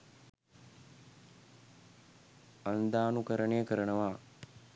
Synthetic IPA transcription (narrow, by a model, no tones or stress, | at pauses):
ɐnd̪aːnukəɾəɳejəkəɾənəʋaː